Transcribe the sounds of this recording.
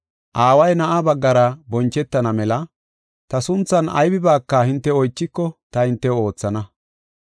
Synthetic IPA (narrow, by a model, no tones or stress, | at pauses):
ʔaːwɐjnɐʔabɐɡːɐɾɐbɔnt͡ʃːɛt̪ːɐnɐmɛlɐ | t̪ɐsʊnt͡sːɐnɐ̰jbɪbaːkːɐhɪnt̪ːɛɔjt͡ʃːɪkːɔt̪ɐhɪnt̪ːɛo̞ːt͡sːɐnɐ